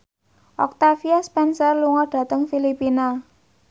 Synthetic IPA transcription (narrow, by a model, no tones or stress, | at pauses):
ʔɔk̚t̪afiaspɛnsərluŋɔɖ̥ä̤t̪əŋfilipina